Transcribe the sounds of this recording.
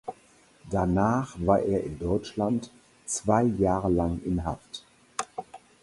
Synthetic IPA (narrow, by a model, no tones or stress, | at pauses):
d̥anaːχvaːɐʔeːɐʔɪndɔʏt͡ʃlant | t͡sv̥aɪjaːʁəlaŋɪnɦaft